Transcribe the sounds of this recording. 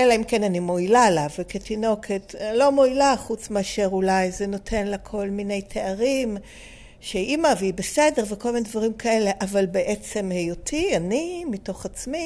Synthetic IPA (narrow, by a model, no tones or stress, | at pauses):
ʔelaimkenanimoilaelaveketino̞kʰe̞tlo̞moilaχut͡smeaʃe̞ʁulajzeno̞tʰe̞nlakʰo̞lmine̞jtʰeaʁim | ʃeimaveibese̞de̞ʁveko̞lminedvaʁimkʰae̞le̞ʔavalbeʔet͡se̞mhe̞jotʰianimito̞χat͡smi